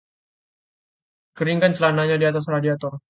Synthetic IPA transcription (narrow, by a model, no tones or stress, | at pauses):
kəɾiŋkant͡ʃəlanaɲadiat̪as̬radiat̪ɔr